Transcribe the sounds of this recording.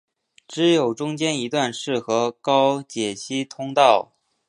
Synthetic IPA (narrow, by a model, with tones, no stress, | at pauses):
ʈ͡ʂɻ̩˧˥jo˨˩ʊʈ͡ʂʊ˥ŋt͡ɕjɛ˥ni˧˥t̪wa˥˧nʂɻ̩˥˩xɤ˧˥kɑ˥ʊt͡ɕjɛ˨˩t͡ɕʰi˥t̪ʰʊ˥ŋt̪ɑ˥˩ʊ